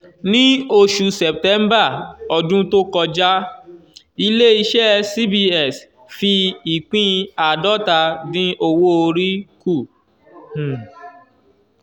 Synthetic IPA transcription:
nĩ˦o˧ʃu˧sɛ˨p̚tɛ˨˦m˦ba˦˨ɔ˨dũ˦to˦kɔ˧d͡ʒa˦ | i˧le˦i˧ʃɛ˦si˦bi˧ɛ˦˨s | fi˧i˨k͡pĩ˦˧a˨dɔ˦ta˧nĩ˦ʔo˧wo˦o˧ɾi˦ku˦˨

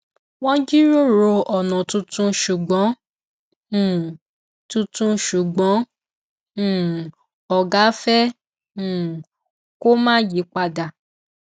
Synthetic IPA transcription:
wɔ̃˦d͡ʒi˦ɾo˦˨ɾo˧ɔ˨nɔ̃˨tũ˧tũ˧ʃu˨ɡ͡bɔ̃˨˦˨ | tũ˧tũ˧ʃu˨ɡ͡bɔ̃˨˦˨ | ɔ˨ɡa˨˦fɛ̃˦˨ | ko˦mãː˦ji˨˦k͡pa˧˨da˨

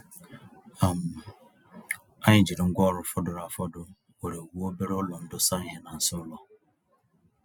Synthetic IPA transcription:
a˨m˨ | a˦ɲɪ˨d͡ʒi˨ɾɪ˨ŋ̩˦ɡʷɔ˦˨ɾʊ˨˦fɔ˦dʊ˨ɾa˨fɔ˦dʊ˦ | we˨ɾe˨o˨wu˦o˦be˦ɾʊ˦lɔ˨n̩˦dʊ˦sa˦˨ɦe˨na˨n̩˨sʊ˦ʊ˦lɔ˨

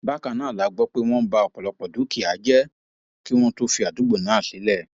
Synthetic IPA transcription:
ba˦ka˧˨nãː˦˨la˨˦ɡ͡bɔ˦k͡pe˦w̃ɔ̃˦ba˧ɔ˨k͡pɔ˨lɔ˧k͡pɔ˨du˨˦ki˦˨a˨˦d͡ʒɛ˦ | ki˦w̃ɔ̃˦to˦fi˧a˨du˨˦ɡ͡bo˦˨nãː˨˦˨ʃe˨˦lɛ˦˨

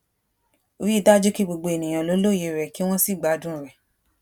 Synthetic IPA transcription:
o˧ɾi˦da˦d͡ʒo˦ki˦ɡ͡bo˧ɡ͡bo˧e˨nĩ˨j̃ã˧˨lo˨˦lo˦˨je˨˧˦ɾɛ˨ki˦w̃ɔ̃˦si˦˨ɡ͡ba˨˦dũ˦˨ɾɛ˨

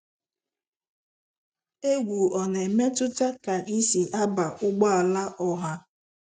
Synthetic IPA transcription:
e˦ɡʷu˨ɔ˨ne˨me˦tʊ˦ta˦ka˨ʔi˦si˨ʔa˦ba˨ʔʊ˦ɡ͡ba˦a˨la˦ʔɔ˦ɦa˦

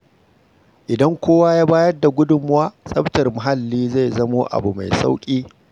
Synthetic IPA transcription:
ʔɪ˨dɐ˦ŋkʷoː˦wa˦jaː˦baː˦jɐ˦rda˨ɡʷʊ˦dʊ˦˨mʊ˦waː˦sʼɐ˦ɸtɐ˨rmʊ˨ɦa˦˨lːiː˦za˦˨jzɐ˦moː˦ʔa̰˨bu˨ma̰˨jsa̰˦wkʲʼiː˦

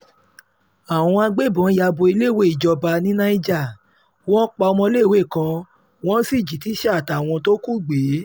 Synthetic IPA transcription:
a˨w̃ɔ̃˧a˧ɡ͡be˦˨bã˨˦ja˧bo˧i˧le˦˨we˦˨i˨d͡ʒɔ˧ba˧nĩ˦nã˦i˦d͡ʒa˦˨ | w̃ɔ̃˦k͡pa˧ɔ˧mɔ̃˧˦le˦˨we˦˨kã˧ | w̃ɔ̃˦si˦˨d͡ʒi˨ti˨˦ʃɛ˦a˦˨ta˨w̃ɔ̃˧to˦ku˦˨ɡ͡be˨˦

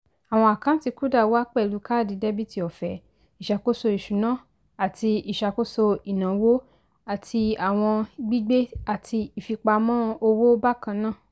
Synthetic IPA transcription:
a˨w̃ɔ̃˧a˨kã˦n̩˦ti˧ku˦da˦˨˧wa˦k͡pɛ˦˨lu˨˦ka˦˨di˧de˦bi˦ti˧ɔ˨fɛ˨ | i˨ʃa˧ko˦so˧i˨ʃu˨˦nã˦˨ | a˨tʰi˧i˨ʃa˧ko˦so˧i˨nã˨wo˦ | a˦˨tʰi˧a˨w̃ɔ̃˧ɡ͡bi˦ɡ͡be˦a˨tʰi˧i˨fi˧k͡pa˧mɔ̃ː˦o˧wo˦ba˦kã˧nã˦˨

